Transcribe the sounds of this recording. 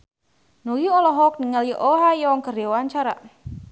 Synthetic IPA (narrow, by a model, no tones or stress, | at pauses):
nojiɔlɔɦɔk̚niŋaliʔoɦajɔŋkəreowaɲt͡ʃaɾa̰